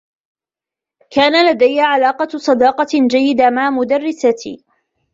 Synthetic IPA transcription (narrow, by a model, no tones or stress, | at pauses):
kaːnalad̪ajːaʕalaːqɑsˤɑd̪ɑːqɑd͡ʒajːɪd̪amaʕmʊd̪arːɪsat̪ʰḭː